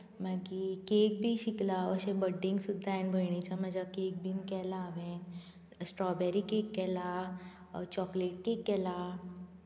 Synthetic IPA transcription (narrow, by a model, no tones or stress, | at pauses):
mɛkikeːk̚bʱiʃiklaəʃebəɖːĩŋɡsʊd̪ʱːanbʱəɳit͡ʃaməd͡ʒakeːk̚bʱinkɛlaːʋẽ | sʈɾɔbɛɾikeːkːɛla | t͡ʃɔːkleːʈ̚keːkːɛla